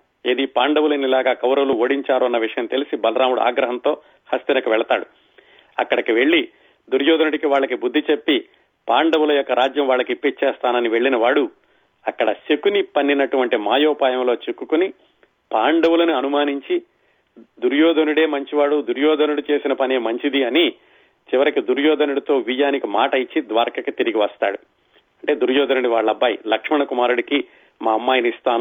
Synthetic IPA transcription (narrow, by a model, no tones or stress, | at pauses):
ed̪ipaːɳɖɐwulɐnilaːɡaːkɐwɾɐwuluoːɽiɲt͡ʃaːɾuɐnːɐʋiʂɐjɐmt̪e̞lisibɐlɐɾaːmuɽua̰ːɡɾɐɦɐnt̪o̞ː | hɐst̪inɐkuʋɛɭɐt̪a̰ːɽu | ɐ̰kːɐɽɐkiʋe̞ɭːi | d̪uɾjɔːd̪ɐnuɽikiʋaːɭːɐkibud̪ːit͡ʃe̞pːi | paːɳɖɐwulɐjɔkːɐɾaːd͡ʒjɐmʋaːɭːɐkipːit͡ʃeːst̪aːnɐniʋe̞ɭːinɐʋaːɽu | ɐkːɐɽɐsekunipɐnːinɐʈuʋɐɳʈimaːjoːpaːjɐmlo̞ːt͡ʃekːukuni | paːɳɖɐʋulɐnuɐnumaːniɲt͡ʃi | d̪uɾjɔːd̪ʱɐnuɽe̞ːmɐɲt͡ʃiʋaːɽud̪uɾjɔːd̪ɐnuɽut͡ʃe̞ːsinɐpɐneːmɐɲt͡ʃid̪iɐni | t͡ʃiʋɐɾikid̪uɾjɔːd̪ɐnuɽut̪o̞ːʋijaːnikimaːʈɐjit͡ʃːid̪ʋaːɾkɐkit̪iɾiɡiʋɐst̪a̰ːɽu | ɐɳʈe̞ːd̪uɾjɔːd̪ɐnuɽiʋaːɭːɐbaːjlɐkʂmiɳɐkumaːɾuɽiki | maːɐmːaːjɐnist̪aːn